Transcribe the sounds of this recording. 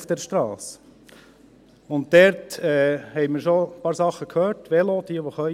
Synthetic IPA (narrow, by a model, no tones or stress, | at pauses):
fd̥ɛɾʃtɾɑːs | ʊntdɛɾtɛːhɛɪmiɾʃopɑːɾsɑχːəkʰhøːɾtʋɛlod̥̪iəʋoχœʏ